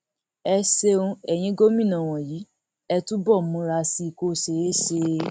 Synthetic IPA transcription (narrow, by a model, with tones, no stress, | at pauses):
ɛ˧se˧ũ˧ɛ˨j̃ĩ˧˦ɡo˦mĩ˦˨nã˨w̃ɔ̃˨ji˨˦ | ɛ˧tũ˦bɔ˦˨mũ˨˦ɾa˧si˧˨ko˧se˨e˦ʃe˧